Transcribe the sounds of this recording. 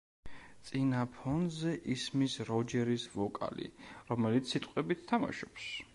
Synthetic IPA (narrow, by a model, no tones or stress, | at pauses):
t̪sʼinapʰɔnzɛʔismisɾɔd͡ʒɛɾisvɔkʼa̰lḭɾɔmɛlit̪ssːit̪ʼqʼwɛbit̪̚ʰt̪ʰama̰ʃɔ̥ps